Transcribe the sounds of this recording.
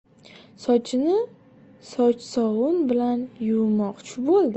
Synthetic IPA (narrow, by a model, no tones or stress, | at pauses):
sɒt͡ʃʰɪnɪ | sɒt͡ʃsɒwʊnbɪlanjʊwmɒqt͡ʃʰɪbolˠd̪